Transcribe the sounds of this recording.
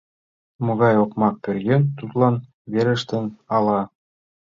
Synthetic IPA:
mŏɣɑjokmɑk̚pʲø̆rɡent̪ut̪lˠɑn | βeɾɘ̆ʃt̪ɘ̆nɑlˠɑ

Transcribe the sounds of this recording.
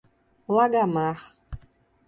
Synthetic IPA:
laɡamaχ

